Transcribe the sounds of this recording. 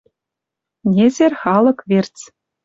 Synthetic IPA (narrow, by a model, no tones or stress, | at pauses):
nʲezʲerʲχɑlˠɤ̆kʋʲerʲt͡sʲ